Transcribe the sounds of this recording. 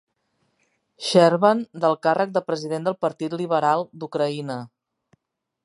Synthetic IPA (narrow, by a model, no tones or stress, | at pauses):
ʃɛɾβənd̪əlˠkarʔək̚d̪əpɾəziðend̪əlˠpəɾt̪it̪liβ̞əɾalˠd̪ukɾəinə